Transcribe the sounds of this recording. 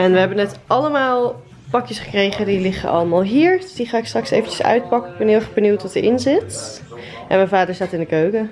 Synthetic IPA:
ɛnʋəɦɛbənɛtʔɑləmaːlˠ | pɑkjəsχə̥krejχədilɪχə̰ɑ̰ləmaːlˠɦiːɹsdiχaːɪkstrɑksḛjvəncə̥sœ̰ɥt̚pɑkəɪɡ̚bɛnɦɪlɛχbənuwtʋɑtəɹʔɪnzɪt | ʔɛnmɛjvaːdəɹzaːtɪndəkøɥkə

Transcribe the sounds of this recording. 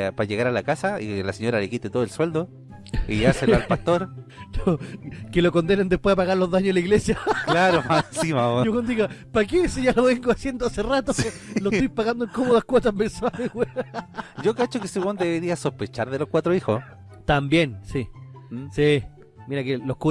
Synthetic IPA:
paʝeɣaɾalakasailaseɲoɾalekit̪et̪ooelswe̞ld̪o | iaselalpast̪oɾnokelokond̪enend̪epwe̞ðapaɣaɾlo̞ðaɲoelaiɣlesjaklaɾomasimamooɣond̪oiɣapakesiʝaloβeŋɡoasje̞nd̪oaserat̪olost̪ojpaɣand̪oeŋkomoðahkwot̪amenswalewe | ɟ͡ʝokat͡ʃokeseɣond̪eβeɾiasohpet͡ʃaɾðelohkwat̪ɾoixo | t̪ambje̞nsi | si | miɾakeloku

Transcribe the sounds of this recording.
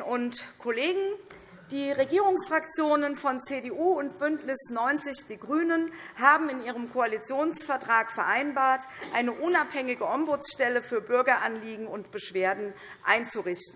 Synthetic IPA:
ʊntkʰoleːɡŋ̩ | d̥iːʁeɡiːʁʊŋsfʁ̥akt͡sjoːnənfɔnt͡seːdeʔuːʊntb̥ʏntnɪsnɔʏnt͡sɪçd̥iːɡʁyːnənhaːbm̩ɪniːʁ̞əmkʰoalit͡sjoːnsfɛɐtʁ̥aːkfɛɐʔaɪnbaːɐtʔaɪnəʔʊnaphɛŋɪɡəʔɔmbʊt͡sʃtɛləfyːɐbʏɐɡɐʔanliːɡŋ̩ʊntb̥əʃv̥eːɐdn̩ | ʔa̰ɪnt͡suʁɪçtn̩

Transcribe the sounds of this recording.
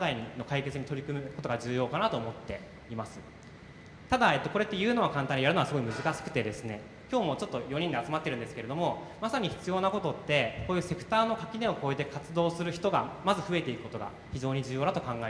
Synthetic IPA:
ad̪aiɲino̞kaike̞t͡sɨɲ̟it̪o̞ɾʲikɯ̟mɯ̟kot̪o̞ɡad͡ʑɨːjo̞ːkanat̪o̞ːmo̞t̪ːe̞ | imasɨ̥ | t̪ad̪ae̞t̪o̞ko̞ɾe̞t̪ːejɯ̟ːno̞βakãnt̪aɲ̟ijaɾɯ̟noasɨɡo̞imɯ̟zɨkaɕi̥kɯ̟t̪e̞d̪e̞sɨne̞ | kʲo̞ːmo̞t͡ɕo̞t̪ːo̞jo̞ɲ̟ĩnd̪e̞at͡sɨmat̪ːe̞ɾɯ̟̃nd̪esɨ̥ke̞ɾe̞d̪o̞mo̞ | masaɲ̟içi̥t͡sɨjo̞ːnako̞t̪o̞t̪ːe̞ko̞ːjɯ̟ːse̞kɯ̟̥t̪aːno̞kakʲinẽoko̞ːet̪e̞kat͡sɨd̪o̞ːsɨɾɯ̟çi̥t̪o̞ɡamazɨɸɯ̟e̞t̪e̞ikɯ̟kot̪o̞ɡa̰ | çiʑo̞ːɲ̟id͡ʑɨːjo̞ːd̪at̪okãŋɡae

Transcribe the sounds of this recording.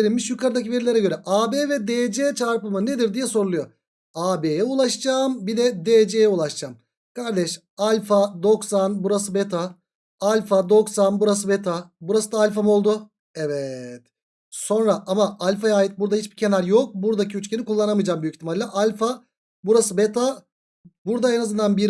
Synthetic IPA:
eilʲmiʃjykʰaɾɯd̪acive̞ɾilʲeɾɛɟø̞ɾɛʔaːbevɛd̪ed͡ʒeːt͡ʃʰaɾpɯmaned̪iɾd̪ijɛso̞ɾulˠujo | aːbejɛulˠaʃd͡ʒaːmbid̪ɛd̪ed͡ʒejɛulˠaʃd͡ʒaːm | kʰaɾd̪ɛʃ | alʲfad̪o̞ksanbuɾas̬ɯbet̪ʰa | alʲfad̪o̞ksanbuɾas̬ɯbet̪ʰabuɾasɯd̪aːlʲfamo̞lˠd̪ʊ | evɛt̪ | so̞nɾaʔamaʔalʲfajaːjit̪̚buɾd̪ahit͡ʃbicʰe̞naɾjo̞k̚buɾd̪acʰiyt͡ʃcʰe̞nikʰulˠːanamɯjd͡ʒaːmbyjyict̪ʰimalʲːɛʔalʲfa | buɾasɯbet̪ʰa | buɾd̪aenazɯnd̪anbiɾ

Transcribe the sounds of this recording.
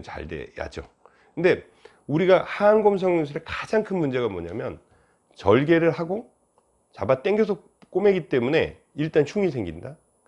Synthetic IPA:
t͡ɕa̰ɭdḛja̰d͡ʑo̰ | kʰɯnde̞ | uɾiɡahanɡʌms̬ʰʌŋsʰɾe̞kad͡ʑaŋkʰɯnmund͡ʑe̞ɣamo̰ɲamjʌ̰n | t͡ɕʌɭɡe̞ɾɯɭɦaɡo | t͡ɕabat͈e̞ŋɡjʌsʰʌ | k͈ome̞ɡit͈e̞mune̞̰ | iɭt͈ant͡ɕʰuŋisʰe̞ŋɡinda

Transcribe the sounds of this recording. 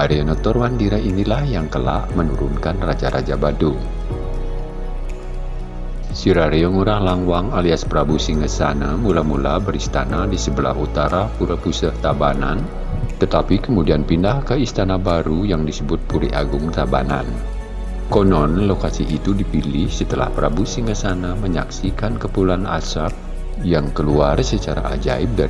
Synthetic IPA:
aɾionɔt̪ɔrwandiɾainilahjaŋkəla̰ʔmənuɾunkanrad͡ʒaɾad͡ʒabadʊŋ | siɾaɾiɔŋuɾahlaŋwaŋaliaspɾabusiŋəsanamulamulabəɾist̪a̰nadisəbəla̰hut̪aɾapuɾapusəht̪abana̰n | t̪ət̪apikəmudianpindahkəist̪anabaɾujaŋdisəbʊt̪̚puɾiʔa̰ɡʊŋt̪aba̰na̰n | konɔnlokasiʔit̪udipilɪhsət̪əla̰hpəɾabusiŋkəsanaməɲaksikankəpulana̰sap̚ | jaŋkəluarsət͡ʃaɾa̰ʔa̰d͡ʒa̰ɪp̚da

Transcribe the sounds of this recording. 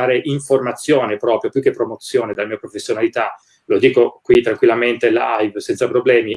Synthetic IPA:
aːɾeʔiɱformat̪sːjoːnepɾɔːpɾjopjukːepːɾomot̪sːjoːned̪elamiːopɾofesːjonalit̪a | lod̪iːkokwit̪ːɾaŋkwilːament̪elajvsɛnt̪sapɾoblɛːmi

